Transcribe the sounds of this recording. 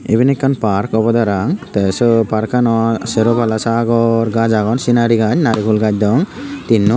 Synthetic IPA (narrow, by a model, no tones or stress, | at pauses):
ebinɛkːanpaɾkɔbɔd̪aɾaŋt̪ɛsɔpaɾkanɔseɾopalasaɡɔɾɡad͡ʒaɡɔnsinaɾiɡad͡ʒnaɾikʰulɡad͡ʒ̚d̪ɔŋt̪inːɔ